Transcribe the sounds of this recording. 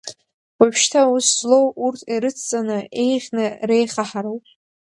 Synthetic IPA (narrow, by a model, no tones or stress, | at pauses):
apʃtʰauszlo̞wurtʰiɾɨt͡sʰt͡sʼanɨe̞jχʲnɨre̞jχaħaɾɨwpʼ